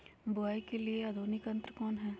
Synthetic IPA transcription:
bʊaːikeliead̪ʱuːnɪkə̃nt̪ɾəkɔːnɦɛː

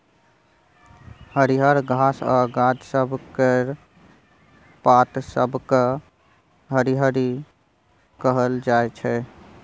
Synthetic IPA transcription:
həɾiɦəɾɡʱasa̰ɡad͡ʒ̪səbʱkeɾ | pat̪sə̰bʱke | ɦəɾiɦəɾi | kəɦəld͡ʒaet͡ʃʰɛ

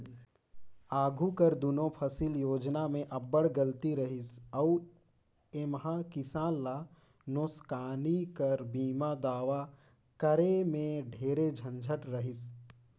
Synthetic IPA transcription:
aːɡʱukəɾd̪unõpʰəsiljoːd͡ʒnamẽʔɐbːəɽɡəlt̪iɾəɦɪsəu | emɦãkɪsaːnla | noːskaːnikəɾbiːmad̪aːʋa | kəɾemẽɖʱeːɾed͡ʒʱə̃nd͡ʒʱəʈɾəɦɪs

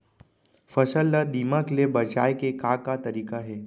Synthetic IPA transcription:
fəsəlːəd̪iːmaklebəd͡ʒaːjkekakat̪əɾiːkaɦɛː

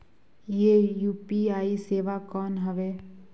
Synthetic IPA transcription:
jejuːpiaːiseːʋakɔːnɦəʋeː

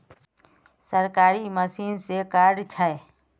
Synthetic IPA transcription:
səɾkaːɾiməsiːnsekaːɾɖt͡ʃʰae

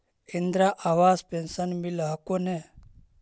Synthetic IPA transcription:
end̪ɾaʔaʋaːspensənmilɦakone

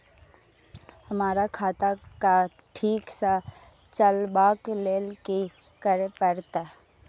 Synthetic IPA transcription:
hɐmaːɾakʰaːt̪aka | ʈʰiːksa | t͡ʃəlbaːkleːlki | kəɾepəɾt̪aɦ

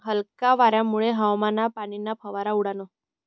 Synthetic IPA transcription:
ɦəlkaʋaɾjamuɭeɦəʋmanapaɽ̃inapʰəʋaɾauɽano

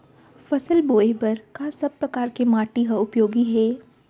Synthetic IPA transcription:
fɐsəlboːebɐɾkasɐb̚pːɾɐkaːɾkemaːʈiɦɐʊpjoːɡiɦɛː

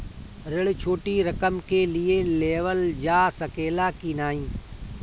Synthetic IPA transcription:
ɾɪɭt͡ʃʰoːʈiɾəkəmkeːlɪeleːʋəld͡ʒaːsəkeːlaːkiːnaːĩː

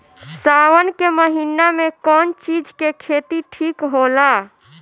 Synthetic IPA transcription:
sawənkeməɦinamekɔnt͡ʃid͡ʒkekʰet̪iʈʰikɦola

